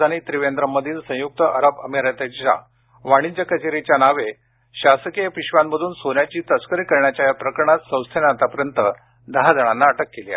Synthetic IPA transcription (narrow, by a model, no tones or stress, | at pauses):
añit̪ɾiʋend̪ɾəməd̪ʱiːnsə̃juk̚t̪əʔəɾəbəmiɾət̪et͡ɕa̰ | ʋaɽ̃id͡ʑəkət͡ɕeɾet͡ɕjanaʋe | ɕasəkijəpiɕʋanbəd̪ʱuːnsonjat͡ɕiːt̪əskəɾikəɾɳjat͡ɕajapɾəkɾəɳat̪sə̃w̃st̪ʰenat̪apəɾjənt̪ə | d̪əɦad͡zəɽ̃anːaəʈəkːelia̰